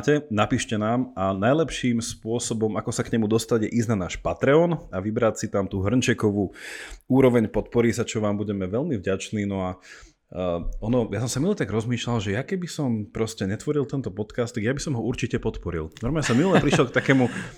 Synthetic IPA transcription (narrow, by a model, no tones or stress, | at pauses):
cɛnapiːʃcɛnaːmanajlɛpʃiːmspʊɔsɔbɔmakɔsakɲɛmud̪ɔst̪aɟjɛʔiznanaːʃpat̪ɾɛɔnaʋibɾacsit̪amt̪uːɦr̩nt͡ʃɛkɔʋuːuːɾɔʋɛɲpɔt̪pɔɾisat͡ʃɔʋaːmbuɟɛmɛʋɛʎmivɟat͡ʃniːnɔa | ɔnɔjasɔmsamilɛt̪aɡɾɔzmiːʃlalʒɛjakɛbisɔmpɾɔscɛɲɛt̪ʋɔɾilˠt̪ɛnt̪ɔpɔt̪kaːst̪ːaɡjabisɔmɦɔuɾt͡ʃicɛpɔt̪pɔɾḭlnɔɾmaːɲɛsɔmiulɛpɾiʃɛlkt̪akɛːmu